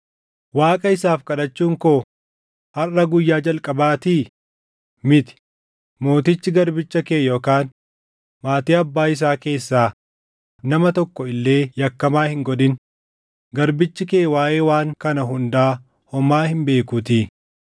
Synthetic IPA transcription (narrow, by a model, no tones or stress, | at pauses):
waːkʼɐɪsaːfkʼɐᶑɐt͡ʃːuːŋkoː | hɐrːɐɡʊjːaːd͡ʒɐlkʼɐbaːt̪iː | mɪt̪ɪ̥ | mo̞ːt̪ɪt͡ʃːɪɡɐɾbɪt͡ʃːɐkeːjoːkaːn | maːt̪iːɐbːaːɪs̬aːke̞ːsːaː | nɐmɐt̪ɔkːɔɪlːe̞ːjɐkːɐmaːhɪŋɡɔd̪ɪn | ɡɐɾbɪt͡ʃːɪkeːwaːʔe̞ːwaːŋkɐnɐɦʊnd̪aː | hɔmaːhɪmbe̞ːkut̪iː